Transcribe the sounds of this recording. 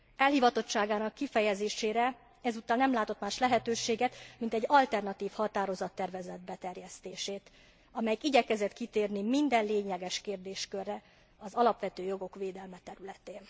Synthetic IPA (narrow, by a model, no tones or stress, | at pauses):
ɛlhiːvɒt̪o̞t͡ʃt͡ʃːaːɡaːnɒkːifɛjɛzeːʃeːɾɛ | ɛzut̪ːɒːnnɛmlaːt̪o̞t̪maːʃlɛɦɛt̪øːʃeːɡɛt̪mint̪ɛɟːɒlt̪ɛrnɒt̪iːfhɒt̪aːɾo̞zɒt̪ːɛrvɛzɛd̪̚bɛt̪ɛrjɛst̪eːʃeːt̪ | ɒmɛjikiɟɛkɛzɛt̪kit̪eːrnimind̪ɛnleːɲɛɡɛʃkeːrd̪eːʃkørːɛ | ɒzɒlɒpʋɛt̪øːjo̞ɡo̞kʋeːd̪ɛlmɛt̪ɛɾylɛt̪eːn